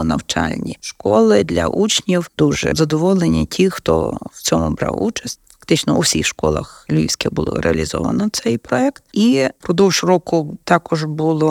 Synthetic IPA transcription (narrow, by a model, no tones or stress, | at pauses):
nɐwt͡ʃa̰lʲnʲiʃkɔlˠɪd̪lʲɐ̰ʔut͡ʃnʲiwd̪̥uʒɛ̰zɐd̪ɔʋɔlˠenʲitʲʰixt̪ɔ̰wt͡sʲɔmʊ̰bɾa̰wut͡ʃɐsʲtʲfɐ̥kt̪ɪt͡ʃnɔʔuwsʲixʃkɔlˠɐ̰xlʲiwsʲkʲɛbʊlˠɔ̰ɾeɐlʲizɔ̰ʋɐ̰nɔt̪sɛjpɾɔɛkt̪ipɾɔd̪ɔwʒrɔkʊt̪ɑkɔʒbulˠɔ